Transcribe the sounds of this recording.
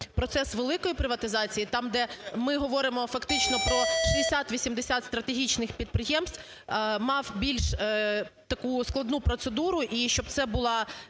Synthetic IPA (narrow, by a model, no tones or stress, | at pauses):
pɾɔt̪sɛsʋelˠɪkɔjipɾɪʋɐt̪ɪzɑt͡sʲijit̪ɑmd̪ɛmɪɦɔʋɔɾɪmɔfɐkt̪ɪt͡ʃnɔpɾɔʃiesʲat̪ʋʲisʲimd̪esʲat̪st̪ɾɐt̪eɦʲit͡ʃnɪxpʲid̪̚pɾɪjɛmsʲt̪ʲ | mɑwbʲilʲʃ | t̪ɐkusklˠɐd̪nupɾɔt̪sed̪uɾʊʔiʃt͡ʃɔb̚t̪sɛbʊlˠɑ